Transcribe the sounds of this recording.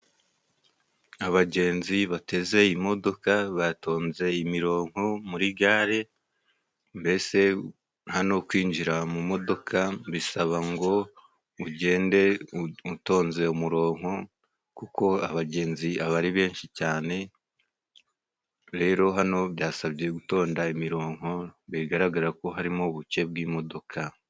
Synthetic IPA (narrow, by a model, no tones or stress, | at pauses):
aβaɟe̞ːnziβate̞ze̞imo̞do̞kaβato̞ːnze̞imiɾo̞ːŋ̥ho̞muɾiɡaːɾe̞ | mbe̞se̞ | hano̞kwiːɲd͡ʒiɾamumo̞do̞kʰaβisaβaŋɡo̞ | uɟe̞ːnde̞uto̞ːnze̞umuɾo̞ːŋho̞ | kuko̞aβaɟe̞ːnziaβaɾiβe̞ːnʃicaːne̞ | ɾe̞ːɾo̞ɦano̞βjaːsaβɟe̞ɡuto̞ːndaimiɾo̞ːŋ̥ɦo̞βiɡaɾaɡaɾako̞ɦaɾimo̞βuce̞b̚ɡiːmo̞do̞kʰa